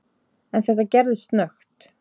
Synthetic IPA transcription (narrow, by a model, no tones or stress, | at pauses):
ɛnθɛht̪acɛɾðɪst̪nœxt̪